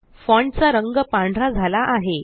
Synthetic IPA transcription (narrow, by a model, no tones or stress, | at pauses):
fɔ̃ɳɖt͡saɾəŋɡəpãɳɖʱɾad͡zʱalaʔaɦe